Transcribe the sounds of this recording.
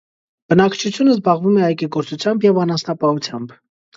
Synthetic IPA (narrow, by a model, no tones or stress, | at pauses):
b̥ənɑkʰt͡ʃʰut͡sʰjunəzbɑʁvumɛɑjkiɡɔɾt͡sut͡sʰjɑmbjɛvɑnɑnsnɑpɑhut͡sʰjɑmb